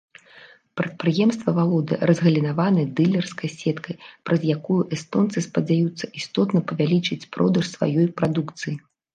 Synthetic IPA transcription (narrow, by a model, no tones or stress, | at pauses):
pɾɐt̪̚pɾɨjɛmst̪vɐvalˠɔd̪ɨ̰ɾɐzɣɐlʲinavanɨd̪ɨlʲɛrskɐjsʲɛt̪kɐjpɾɐzjakujuʔɛst̪ɔnt̪sɨspɐd͡zʲajut̪sːɐʔist̪ɔt̪nɐpɐvʲalʲit͡ʂɨt͡sʲpɾɔd̪ɐʂsva̰jɔjpɾad̪ukt̪sɨji